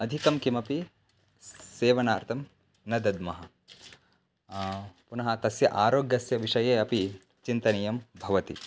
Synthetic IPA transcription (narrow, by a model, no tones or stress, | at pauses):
ɐd̪ʱikɐmkimɐpi | seːʋɐnaːɾt̪ʰɐm | nɐd̪ɐd̪mɐɦɐ | punɐɦɐt̪ɐsjɐ̰ʔaːɾoːɡjɐsjɐʋiʂɐjeːɐpi | t͡ʃint̪ɐnɐjɐmbʱɐʋɐt̪ḭ